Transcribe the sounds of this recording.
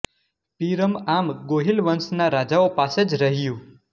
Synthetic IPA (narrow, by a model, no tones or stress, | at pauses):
piɾəmamɡoɦilʋənsnaɾad͡ʒaopased͡ʒɾəɦijũ